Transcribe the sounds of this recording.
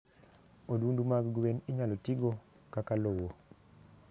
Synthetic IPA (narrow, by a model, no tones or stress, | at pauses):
odwundumaɡɡweniɲalotiɡo | kakalowo